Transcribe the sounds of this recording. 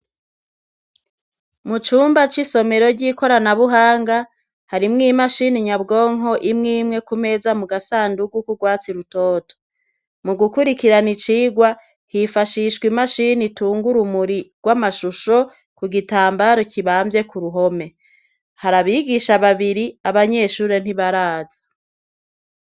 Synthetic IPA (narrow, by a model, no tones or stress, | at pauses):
mut͡ʃuːmbat͡ʃiso̞me̞ɾo̞ɾɟiːko̞ɾanaβuɦaːŋɡa | haɾimŋiːmaʃiniɲabɡo̞ːŋɦo̞ʔimŋiːmŋe̞kume̞zamuɡasaːnduɡukuɾɡwaːt͡siɾutoːto̥ | muɡukuɾikiɾanit͡ʃiːɡwa | hifaʃiʃɡwimaʃinituːŋɡuɾumuɾiɡ̥wamaʃuʃo̞ | kuɡitaːmbaɾo̞cʰiβaːmbje̞kuɾuɦo̞me̞ | haɾaβiɡiʃaβaβiɾiaβaɲe̞ːʃuːɾe̞n̥iβaɾaːzḁ